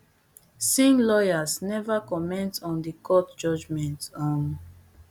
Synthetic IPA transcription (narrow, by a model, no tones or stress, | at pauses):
sĩŋlɔjasnɛvakɔmɛ̃ntɔ̃ndikʰɔtd͡ʒɔd͡ʒmɛ̃ntɔ̃n